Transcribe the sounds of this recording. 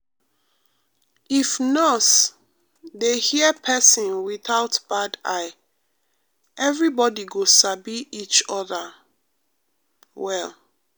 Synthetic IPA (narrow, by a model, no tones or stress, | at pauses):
ifnɔs | dehiəpʰɛsĩnwiθaʊtb̥adaɪ | ʔɛvɹibɔdiɡosabiit͡ʃɔðə | wɛl